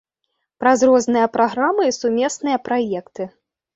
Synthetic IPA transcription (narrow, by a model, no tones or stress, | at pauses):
pɾazrɔznɨjɐpɾaɣɾamɨsumʲɛsnɨjɐpɾajɛkt̪ɨ